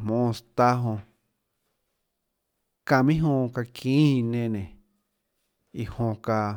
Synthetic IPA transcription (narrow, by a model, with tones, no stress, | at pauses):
mõː˨˧st̪a˦ɦõ˧ | kã˧˨mĩ˦ɦõ˧ka˧kʰĩː˦˧nẽ˧nẽ˨ | i˨hõ˧ka˧